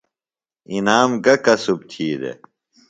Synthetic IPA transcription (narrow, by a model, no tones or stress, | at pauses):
inaːmɡɐkɐsub̚t̪ʰiːd̪ḛ